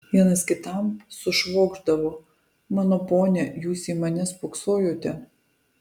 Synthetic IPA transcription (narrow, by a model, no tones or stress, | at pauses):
ʋʲiɛnɐskʲɪt̪ɐˑmsʊʃʋoːɡʒd̪ɐʋoː | mɑːnoːpoːnʲɛjuːsʲiːmɐnʲɛspoːksoːjoːt̪ʲɛ